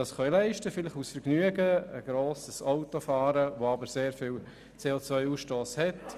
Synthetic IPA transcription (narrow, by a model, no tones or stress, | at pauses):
ɑsχœjlɛɪʃtəfɪlɪχusfəɾɡnyəɡəəɡ̥ɾoːsəsaʊtofɑːɾəʋoɑbəɾseːɾfɪːl | t͡seːot͡sʋœʏuːsʃtoːshɛt